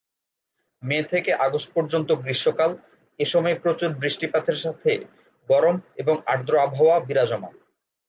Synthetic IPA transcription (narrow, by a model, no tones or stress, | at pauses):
met̪ʰekeʔaɡospoɾd͡ʑont̪oɡɾiʃːokal | eʃɔmɔepɾot͡ɕuɾbɾiʃʈipat̪ʰeɾʃat̪ʰe | ɡɔɾomeboŋa̰ɾd̪ɾoabʱaoabiɾad͡ʑɔma̰